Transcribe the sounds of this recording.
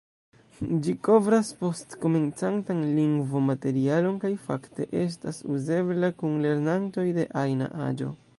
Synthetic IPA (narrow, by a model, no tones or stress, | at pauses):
d͡ʒiko̞vɾaspo̞stko̞me̞nt͡santanliŋɡvomate̞ɾialo̞nkajfakte̞̰ʔe̞s̬tasuze̞blakunle̞ɾnanto̞jde̞̰ʔajna̰ʔa̰d͡ʒo̞̰